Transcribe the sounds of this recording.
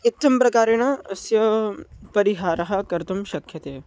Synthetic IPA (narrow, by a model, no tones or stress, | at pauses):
ɪt̪ːɐmpɾɐkaːɾeñaɐsjɐpɐɾiɦaːɾɐɦɐkɐɾt̪ɐmʃɐkʰjɐt̪eː